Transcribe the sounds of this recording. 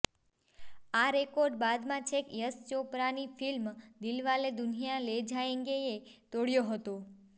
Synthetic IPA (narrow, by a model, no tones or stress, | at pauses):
aɾekoɾɖbad̪mãt͡ʃʰekjəst͡ʃopɾanifʰilmd̪ilʋaled̪unijaled͡ʒʱajẽŋɡeet̪oɽjoɦət̪o